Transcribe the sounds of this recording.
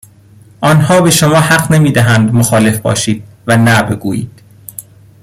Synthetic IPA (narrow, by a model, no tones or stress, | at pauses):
ʔɒːnhɒːbe̞ʃomɒːhæɢnemiːd̪æɦænd̪moxɒːle̞fbɒ̰ːʃiːd̪̥̚vænæbeɡuːjḭːd̪̥